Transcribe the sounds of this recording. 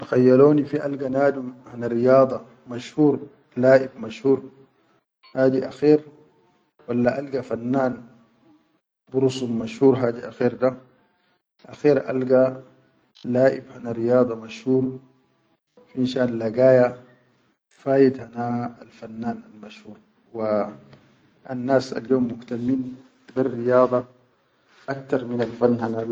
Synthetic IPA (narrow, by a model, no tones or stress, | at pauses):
axajːaloːnifiʔalɡanaːdumhanaɾijɑːd̪ˤɑ | maʃhuːɾ | laːʔibmaʃhuːɾ | haːdiʔaxiːɾ | walːaʔalɡafanːaːn | buɾusumaʃhuːɾɦaːdiʔaxiːɾda | ʔaxiːɾʔa̰lɡa | laːʔḭbhanaɾijɑːd̪ˤɑmaʃhuːɾˤ | fiinʃaːnlaɡaːja | faːjit̪hanaːlfanːaːnalmaʃhuːɾˤ | wa | anːaːsa̰ljoːmːʊht̪amːiːn | birːijɑːd̪ˤɑ | ʔak̚t̪ɑɾˤminalfanːhana